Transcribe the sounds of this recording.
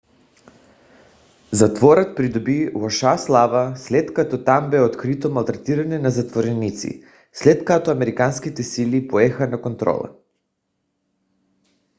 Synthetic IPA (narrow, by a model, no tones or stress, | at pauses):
zat̪vɔɾat̪̚pɾid̪ɔbivɔʃaslˠavaslɛt̪kat̪ɔt̪ambɛot̪kɾit̪ɔmalˠt̪ɾat̪iɾanɛnazat̪voɾɛnit̪sḭ | slɛt̪kat̪ɔamɛɾikanskit̪ɛsilipoɛxanakont̪ɾɔ̰lˠa̰